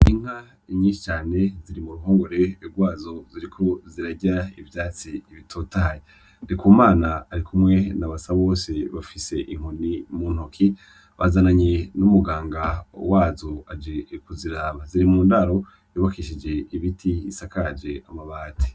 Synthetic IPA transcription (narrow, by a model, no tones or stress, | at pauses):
iŋ̥ha | ɲĩːnʃi̥t͡ʃaːne̞ziɾimuɾuɦoːŋɡo̞ɾe̞ɾɡwaːzo̞ziɾikʰo̞ziɾaɟaivjaːt͡siːβitʰoːtaaje | ndikumaːnaːɾikʰumŋe̞naβasaβo̞ːse̞βafise̞ʔiŋ̥honimuːn̥okʰi | βazanaɲe̞numuɡaːŋɡawaːzoad͡ʒekuziɾaːβaziɾimuːndaɾo̞ | joβakiʃid͡ʒe̞iβitʰiisakad͡ʒe̞amaβaːtʰe̥